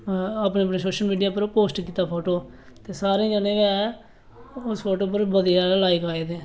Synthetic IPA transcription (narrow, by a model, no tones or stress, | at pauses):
aːpnẽːəpneːsoːʃəlmiːɖijaːpəɾpoːsʈkiːt̪aːpʰoːʈoː | t̪eːsaːɾẽːd͡ʒənẽːʋeɛ | ʊspʰoːʈoːp̬əɾbəd̪ijaːlaːikaːeːd̪eː